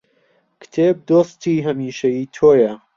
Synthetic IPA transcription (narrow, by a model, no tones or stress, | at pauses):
kt̪ʰeːb̚d̪oːst̪iːɦɐmiːʃɐjiːt̪ʰoːjɐ